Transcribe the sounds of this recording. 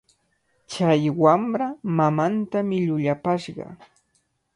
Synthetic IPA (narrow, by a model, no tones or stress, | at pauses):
t͡ʃajwamɾamamant̪amɪʎʊʎapaʃɢɑ̰